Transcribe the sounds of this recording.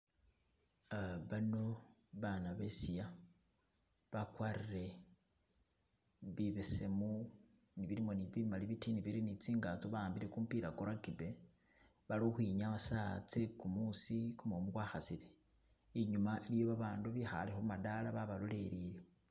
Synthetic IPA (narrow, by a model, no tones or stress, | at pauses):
aβano̞βanaβesija | βakwaːɾiɾe̞ | βiβesemu | niβiɾimo̞niβimaliβitiniβiɾinit͡siːŋɡat͡soβaaːmbile̞kumpiɾakoɾakibe | βaloxwiɲaβasat͡se̞kumusikumomukwaxasile | iɲumaʔilijo̞βaβaːnduβixa̰lexomadalaβaβalole̞ɾile